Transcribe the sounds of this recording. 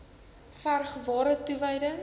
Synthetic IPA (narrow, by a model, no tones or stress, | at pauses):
færχvɑːɾətuvəjdəŋ